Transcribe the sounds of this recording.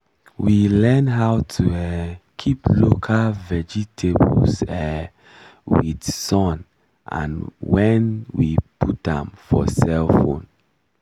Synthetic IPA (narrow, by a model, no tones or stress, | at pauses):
wilɛ̃nɦaʊtʰuɛkʰiplokʰalvɛd͡ʒitʰebɔ̰lsɛ | widsɔ̃n | ʔã̰nwɛnwipʰutãmfɔ̰sɛlfõ̰n